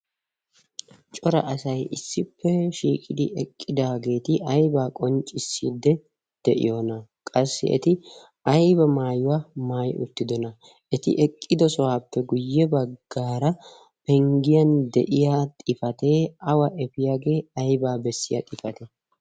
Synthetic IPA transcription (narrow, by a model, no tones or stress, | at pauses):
t͡ʃʼɔɾɐ̰ʔɐsɐjʔɪsːɪpʰːɛʃiːkʼɪd̪ɪʔɛkʼːɪd̪aːɡe̞ːt̪ɪʔɐjbaːkʼɔnt͡ʃʼɪsːiːd̪ːɛ | d̪̥ɛʔɪ̰joːnɐkʼɐsːɪ̰ʔɛ̰t̪ɪ | ɐjbɐmaːjʊwaːmaːjʔʊ̰t̪ːɪd̪ɔnɐ | ɛt̪ɪ̰ʔɛkʼːɪd̪ɔsɔwaːpːɛɡʊjːɛbɐɡːaːɾɐ | pɛŋɡɪjɐnd̪ɛ̰ʔɪjat̪ʼɪfɐt̪e̞ːɐwɐʔɛfɪjaːɡe̞ːɐjbaːbɛsːɪjɐ̰t̪ʼɪfɐt̪ɛ